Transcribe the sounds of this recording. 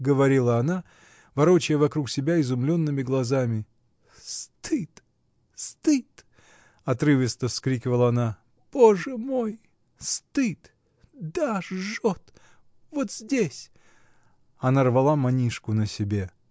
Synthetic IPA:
ɡəvɐɾʲilˠəɐna | vɐɾot͡ɕɪjəvɐkɾuksʲɪbʲaɪzʊmlʲo̞nːɨmʲɪɡlˠɐzamʲɪ | st̪ɨt̪ | st̪ɨt̪ | ɐt̪ɾɨvʲɪst̪əfskɾʲikʲɪvəlˠəɐna | b̥o̞ʐɨmoj | st̪ɨt̪ | d̪aʐot̪ | vot̪zʲdʲesʲ | ɐnarvɐlˠamɐnʲiʂkʊnəsʲɪbʲe̞

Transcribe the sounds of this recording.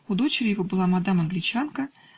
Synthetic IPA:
ʊd̪o̞t͡ɕɪɾʲɪjɪvobɨlˠamad̪amɐnɡlʲɪt͡ɕankə

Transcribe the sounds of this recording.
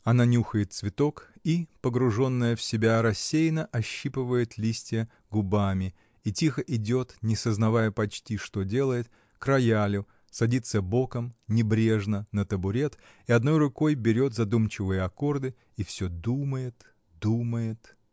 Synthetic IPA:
ɐnanʲuxəjɪt̪svʲɪt̪o̞kipəɡɾʊʐo̞nːəjəfsʲɪbʲaɾɐsʲːejnəʔɐɕːipɨvəjɪt̪lʲisʲtʲɪjə | ɡʊbamʲɪ | itʲixəʔɪdʲo̞t̪nʲɪsəznɐvajəpɐt͡ɕtʲiʂt̪o̞dʲe̞lˠəjɪt̪ | kɾɐjalʲʊ | sɐdʲit̪səbo̞kəmnʲɪbɾʲe̞ʐnənət̪əbʊɾʲe̞t̪ | ɪɐd̪no̞jrʊko̞jbʲɪɾʲo̞t̪zɐd̪umt͡ɕɪvɨjəɐko̞rd̪ɨ | ifsʲod̪uməjɪt̪ | d̪uməjɪt̪

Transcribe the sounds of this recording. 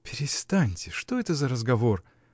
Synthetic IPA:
pʲɪɾʲɪst̪anʲtʲɪʂt̪o̞ɛt̪əzəɾəzɡɐvo̞r

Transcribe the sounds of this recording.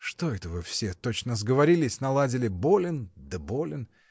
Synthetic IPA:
ʂt̪o̞ɛt̪əvɨfsʲet̪o̞t͡ɕnəzɡəvɐɾʲilʲɪsʲnɐlˠadʲɪlʲɪbolʲɪnd̪əbo̞lʲɪn

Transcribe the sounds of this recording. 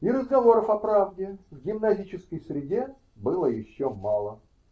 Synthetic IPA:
iɾəzɡɐvo̞ɾəfɐpɾavdʲɪvɡʲɪmnɐzʲit͡ɕɪskəjsɾʲɪdʲe | bɨlˠəjɪɕːomalˠə

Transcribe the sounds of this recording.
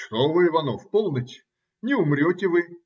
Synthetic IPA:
ʂt̪ovɨɪvɐnofpolˠnətʲ | nʲɪʊmɾʲotʲɪvɨ

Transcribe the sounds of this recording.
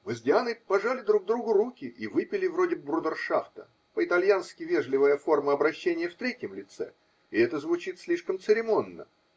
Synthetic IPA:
mɨzʲdʲɪanɨpɐʐalʲɪd̪ɾuɡ̚d̪ɾuɡʊrukʲɪʔivɨpʲɪlʲɪvɾodʲɪb̚bɾud̪ərʂaft̪ə | pəɪt̪ɐlʲjanskʲɪvʲe̞ʐlʲɪvəjəfo̞rməɐbɾɐɕːenʲɪjəft̪ɾʲetʲjɪmlʲɪt̪sɛ̰ | ɪɛt̪əzvʊt͡ɕit̪sʲlʲiʂkəmt̪sɨɾʲɪmo̞nːə̰

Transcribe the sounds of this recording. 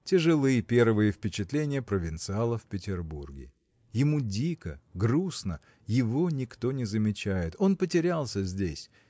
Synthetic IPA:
tʲɪʐɨlˠɨjpʲe̞rvɨjəfpʲɪt͡ɕɪt̪lʲenʲɪjəpɾəvʲɪnt̪sɨalˠəfpʲɪtʲɪrburɡʲɪ̰ | jɪmudʲikəɡɾusnə | jɪvo̞nʲɪkt̪o̞nʲɪzəmʲɪt͡ɕæjɪt̪o̞npətʲɪɾʲalˠsʲəzʲdʲesʲ

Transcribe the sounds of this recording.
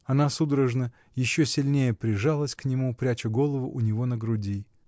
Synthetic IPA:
ɐnasud̪ɾəʐnə | jɪɕːosʲɪlʲnʲejəpɾʲɪʐalˠəsʲknʲɪmupɾʲæt͡ɕɪɡo̞lˠəvʊʔʊnʲɪvo̞nəɡɾʊdʲi

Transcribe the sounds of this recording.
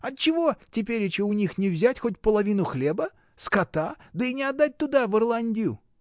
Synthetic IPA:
ɐt̪̚t͡ɕːɪvo̞tʲɪpʲeɾʲɪt͡ɕɪʊnʲixnʲɪvzʲætʲxo̞tʲpəlˠɐvʲinʊxlʲebə | skɐt̪ad̪əinʲɪɐd̪ːat̚ʲt̪ʊd̪avɨrlˠanʲdʲɪjʊ̰

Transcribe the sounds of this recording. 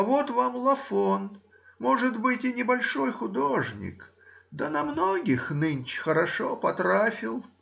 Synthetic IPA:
ɐvot̪vamlˠɐfon | moʐɨd̪bɨtʲɪnʲɪbɐlʲʂojxʊd̪oʐnʲɪ̰k | d̪ənɐmnoɡʲɪxnɨnʲt͡ɕxəɾɐʂopɐt̪ɾafʲɪlˠ

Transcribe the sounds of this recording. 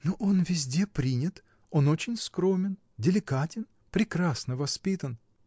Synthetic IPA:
noʔo̞nvʲɪzʲdʲe̞pɾʲinʲɪt̪ | o̞not͡ɕɪnʲskɾo̞mʲɪn | dʲɪlʲɪkatʲɪn | pɾʲɪkɾasnəvɐspʲit̪ən

